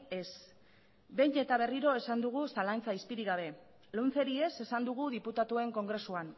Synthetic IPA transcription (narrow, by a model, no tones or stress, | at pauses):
e̞s | be̞ɲe̞t̪aβ̞e̞riɾo̞e̞sand̪uɣ̞usalant͡saispiɾiɣaβ̞e̞ | lonθe̞ɾie̞se̞sand̪uɣuðiput̪at̪ue̞ŋko̞ŋɡɾe̞suan